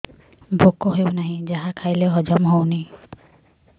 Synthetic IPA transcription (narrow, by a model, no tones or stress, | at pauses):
bʱokoɦewnaɦĩd͡ʒaɦakʰajleɦɔd͡ʒɔmɦowni